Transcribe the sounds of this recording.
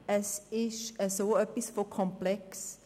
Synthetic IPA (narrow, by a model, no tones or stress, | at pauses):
ɛsiʃɛsowəpisfɔkʰɔ̃mplɛks